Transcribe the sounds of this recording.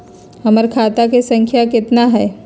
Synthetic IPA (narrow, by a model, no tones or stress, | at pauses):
ɦɐməɾkʰaːt̪akesɐ̃ŋkʰjakɪt̪naɦɛː